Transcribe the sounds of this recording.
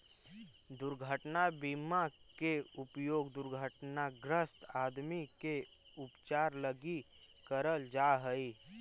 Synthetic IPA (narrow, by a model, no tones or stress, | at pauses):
d̪ʊɾɡʱəʈnabima | keʊpjoːɡd̪ʊɾɡʱəʈnaɡɾəst̪aːd̪mike | ʊpt͡ʃaːɾləɡi | kəɾəld͡ʒaːɦəi